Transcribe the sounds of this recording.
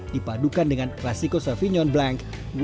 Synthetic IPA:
d̥ipadukandəŋanklasikosafiɲɔnblaŋk | w

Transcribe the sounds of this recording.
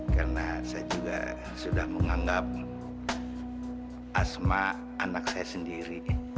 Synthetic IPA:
karnasajad͡ʒuɡa̰ | sudahməŋaŋɡap̚ | ʔasma | anak̚sajasəndiɾi

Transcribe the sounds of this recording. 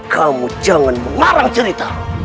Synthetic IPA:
kʰamud͡ʒaŋanməŋaɾaŋt͡ʃəɾit̪a

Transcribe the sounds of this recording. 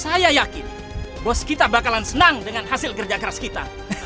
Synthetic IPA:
sajajakɪn | bɔskit̪abakalansənaŋdəŋanɦasɪlkərd͡ʒakəɾaskit̪a̰

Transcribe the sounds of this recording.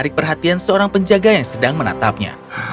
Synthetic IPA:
ɾɪk̚pərɦat̪iansəoɾaŋpəɲd͡ʒaɡajaŋsədaŋməna̰t̪ap̚ɲa̰

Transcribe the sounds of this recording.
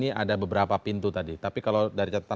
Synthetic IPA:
niʔadabəbəɾapapint̪ut̪adit̪apikalawdaɾit͡ʃat̪ḁt̪ːa

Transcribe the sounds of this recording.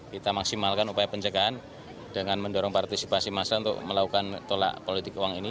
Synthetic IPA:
kit̪amaksimalkanupajapəɲt͡ʃəɡaan | d̥əŋanməndɔɾɔŋpart̪isipasimasaunt̪ʊ̰k̚məlakukant̪ola̰ʔpolit̪ɪkuwaŋini

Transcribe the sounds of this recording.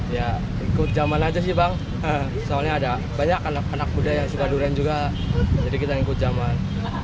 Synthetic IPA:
ja | ŋikʊt̪̚d͡ʒamanad͡ʒas̬ɪbaŋ | ə | soalɲaːda | baɲakanak̚anak̚budajaŋsukaduɾand͡ʒuɡa | d͡ʒadikit̪aŋikʊt̪̚d͡ʒaman

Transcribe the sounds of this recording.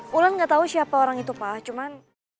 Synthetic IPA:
ulʊnŋɡat̪ausiapaoɾaŋit̪upaht͡ʃuman

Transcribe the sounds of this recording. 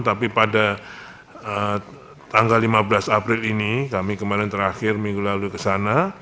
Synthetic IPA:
t̪apipada | ə | t̪aŋɡalːimabəlasapɾɪlinikamikəmaɾant̪əɾaxɪrmiŋɡulalukəsana

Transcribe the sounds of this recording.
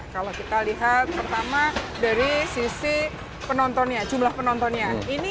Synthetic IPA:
kalokit̪aliɦat̪̚pərt̪amadaɾisisi | pənɔnt̪ɔnɲad͡ʒumlahpənɔnt̪ɔnɲaini

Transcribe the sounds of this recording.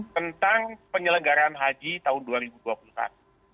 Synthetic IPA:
t̪ənt̪aŋpəɲələŋɡaɾaːnɦad͡ʒit̪aɦʊnduaɾibuduapulusa̰t̪u̥

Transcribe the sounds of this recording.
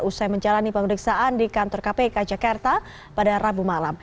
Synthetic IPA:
usajməɲd͡ʒalanipəməɾiksaʔandikant̪ɔrkapekad͡ʒakart̪a | padarabumalam

